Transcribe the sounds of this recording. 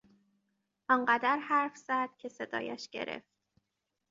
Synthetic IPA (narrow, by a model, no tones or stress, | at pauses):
ʔɒnɢæd̪æɾhæɾfz̥æd̪̥̚cʰe̞se̞d̪ɒ̰ːjæ̰ʃɟe̞̰ɾḛft̪